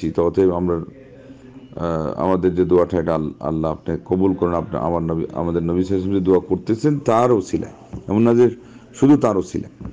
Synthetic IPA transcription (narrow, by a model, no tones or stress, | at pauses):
it̪ɔt̪ʰeamɾa | a̰mad̪eɾd͡ʑed̪uaʈʰajʈaaa̰lːaapnekobulkɔɾenapnḛa̰maɾnbia̰mad̪eɾnobiʃasomd͡ʑed̪uakoɾt̪et͡ɕʰent̪aɾot͡ɕʰila̰e | ɛboŋnad͡ʑeɾ | ʃud̪ʱut̪aɾot͡ɕʰḭla̰